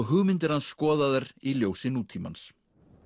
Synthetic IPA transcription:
ɣɦʏɣmɪnt̪ɪɾhansːkɔːðaðʏɾiljoːwsɪnuːt̪ʰiːma̰ns

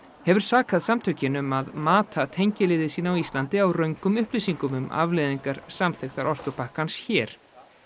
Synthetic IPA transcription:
hɛvʏɾ̥saːkaðsamt̪ʰœɥcɪnʏmaðmaːt̪ʰat̪ʰejɲcɪlɪːðɪsiːnaawist̪lant̪ɪawrœɥŋkʏmʏhpliːsiŋkʏmʏma̰vleðiŋkaɾ̥samθext̪aɾʔɔr̥kʏpahkansçɛːɾ̥

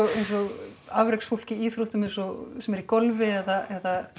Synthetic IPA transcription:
ɔɣejnsɔɣavɾeksfowl̥cɪiːθɾuht̪ʏmejnsɔɣsɛmɛɾikɔlvɪɛðaʔɛða

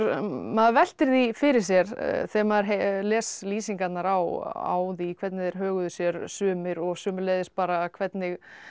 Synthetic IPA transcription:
ɾmaðvɛl̥t̪ɪɾðifɪɾɪɾ̥s̬jɛɾθɛmaðɾɦelɛːsliːsiŋkat̪naɾawa̰wðikʰvɛt̪nɪðɛjɾ̥ɦœːɣʏðʏsjɛɾsʏːmɪɾɔɣsʏːmɪleːjðɪspaːɾaːkʰvɛt̪nɪɣ

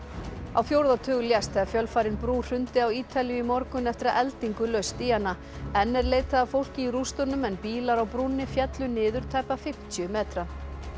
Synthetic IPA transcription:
awfjowɾðat̪ʰʏːɣʏljast̪θɛðafjœlfaɾɪnpɾuːr̥ʏnt̪ɪawiːt̪ʰaljʏimɔɾkʏnɛft̪ɪɾaʔɛlt̪iŋkʏlœɥst̪iːanːa | ɛnːɛɾleːjt̪aðafowl̥cɪirust̪ɔnːʏmɛnpiːlaɾawpɾunːɪfjɛt̪lʏnɪːðʏɾ̥t̪ʰaːjpafɪm̥t̪ʰjʏmɛːt̪ɾa

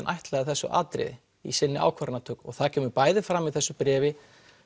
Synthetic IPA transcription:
nʔa̰jht̪lɛɣðθɛsːʏ̰ʔa̰ːt̪ɾɪ̰ð | ḭsɪnːɪa̰ːwkʰvaɾnat̪ʰœːkɔɣθaðcʰɛːmʏɾpaːjðɪfɾamːiðθɛsːʏpɾɛːvɪ

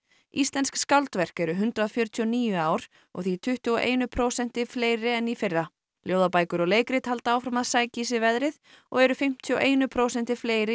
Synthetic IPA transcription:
ist̪lɛnskskawlt̪vɛr̥kɛɾʏɦʏnt̪ɾaðfjœɾt̪ʰiɔniːjʏaːwɾ̥ | ɔ̰ɣθit̪ʰʏht̪ʏɔʔḛːjnʏpʰɾoːsɛn̥t̪ɪfleːjɾɪɛnifɪrːa | ljoːwðapaːjkʏɾɔɣleːjkɾɪt̪halt̪aaːwfɾamaðsaːjcisɪvɛðɾɪð | ɔɣɛɾʏfɪm̥t̪ʰiɔʔeːjnʏpʰɾoːwsɛnt̪ɪ̥fleːjɾɪ

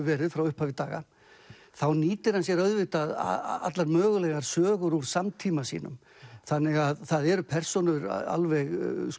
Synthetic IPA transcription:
vɛːɾɪðfɾawʏhpavɪt̪aːɣa̰ | θawniːt̪ɪɾ̥hansjɛɾœðvɪht̪að̰a̰t̪laɾmœːɣʏlɛɣaɾ̥sœːɣʏɾuɾ̥samt̪ʰiːmasḭːnʏ̰m | θanːɪɣaðθaðɛɾʏpʰɛr̥sɔnʏɾ̰a̰lvɛɣ

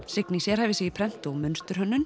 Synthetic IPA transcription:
sɪknisjɛɾhavɪsɛɣipʰɾɛn̥t̪oɣmʏnst̪ʏɾ̥ɦœnːʏm

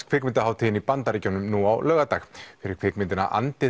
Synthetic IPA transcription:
kʰvɪːkmɪnt̪aɦaːwt̪ʰiːjɪnipant̪aɾiːcɔwnʏmnuawlœːɣat̪axfɪɾɪɾ̥kʰv̥ɪːkmɪnt̪ɪna̰ʔa̰nt̪ɪ

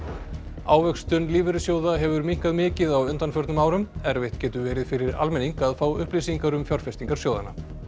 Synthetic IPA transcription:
aːwvœkst̪ʏnliːvʏɾʏsjoːwðaɦɛvʏɾmiŋ̥kaðmɪːcɪðawʏnt̪anfœɾt̪nʏmaːwɾʏmɛɾvɪht̪cɛːt̪ʏvɛːɾɪðfɪɾɪɾa̰lmɛniŋkaðfaːwʏ̰hplisiŋkaɾʏmfjɔɾr̥fɛst̪iŋkaɾ̥sjoːwðana

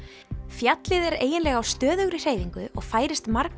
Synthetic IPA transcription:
fjat̪lɪðɛɾḛːjɪnlɛɣawst̪œːðʏɣɾɪr̥eːjviŋkʏɔ̰ɣfaːjɾɪst̪maɾk

